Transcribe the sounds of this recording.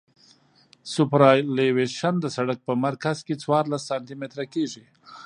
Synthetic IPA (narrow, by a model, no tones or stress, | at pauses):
sʊpɾɑleweʃand̪əsaɽak̚pəmaɾkazket͡swɑɾlasːɑnt̪imet̪ɾakeʐi